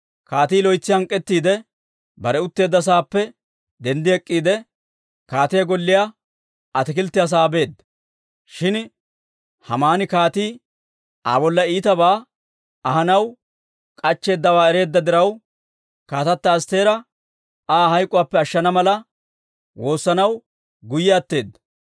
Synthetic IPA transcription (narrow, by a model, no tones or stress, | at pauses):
kaːt̪iːlɔjt͡sːɪɐŋkʼːɛt̪ːiːd̪ɛ | bɐɾɛʊt̪ːe̞ːd̪ːɐs̬aːpːɛ | d̪ɛnd̪ɪɛkʼːiːd̪ɛ | kaːt̪ɪjɐɡɔlːɪja | ɐt̪ɪkɪlt̪ːɪɐs̬aːbe̞ːd̪ːɐ̥ | ʃɪn | hɐmaːnɪkaːt̪iː | a̰ːbɔlːɐiːt̪ɐbaː | ɐhɐnɐw | kʼɐt͡ʃːe̞ːd̪ːɐwaːɛɾe̞ːd̪ːɐd̪ɪɾɐw | kaːt̪ɐt̪ːɐːst̪e̞ːɾɐ | ʔaːhɐjkʼːʊwaːpːɛɐʃːɐnɐmɐlɐ | wo̞ːsːɐnɐw | ɡʊjːaːt̪ːe̞ːd̪ːɐ